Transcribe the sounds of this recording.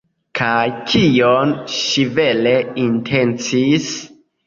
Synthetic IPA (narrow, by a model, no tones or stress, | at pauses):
kʰajkʰionʃive̞leintʰe̞nt͡sis